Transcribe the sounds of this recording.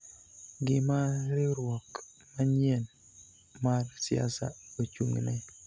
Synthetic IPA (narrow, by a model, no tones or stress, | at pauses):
ɡɪmaɾɪɾwɔk | maɲɛn | marsja̰sa̰ot͡ʃṵŋnɛ